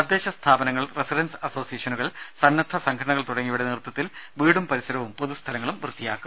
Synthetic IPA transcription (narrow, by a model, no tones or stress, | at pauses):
ɐd̪ːe̞ːɕɐst̪ʰaːbɐnɐŋːɐɭresiɾɐnsɐso̞ːsijeːʂɐnuɣɐɭsɐnːɐt̪ʰːɐsɐŋkʰɽɐɳɐɣɐɭt̪uɽɐŋːijuɽeniːrt̪ːɐt̪ːilʋiːɽumpɐɾisɐɾɐʋumpo̞ðust̪ʰɐlɐŋːɐɭumʋrɨt̪ːijaːkːu